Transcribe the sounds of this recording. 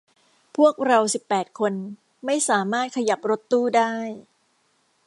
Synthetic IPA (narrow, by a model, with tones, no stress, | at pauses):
pʰu˥˩ək̚ɾa˧wsi˨˩pːɛː˨˩t̪̚kʰo˧n | ma˥˩jsaː˩˦maː˥˩t̪̚kʰa˧ja˨˩p̚ɾo˦˥t̪ːuː˥˩daː˥˩j